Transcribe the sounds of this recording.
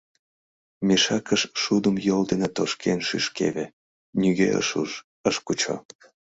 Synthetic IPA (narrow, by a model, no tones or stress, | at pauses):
meʃɑkəʃʃud̪əmjold̪enet̪oʃkʰenʃyʃkḛβe | nyɣeə̰ʃuʒ | əʃkut͡ɕo̰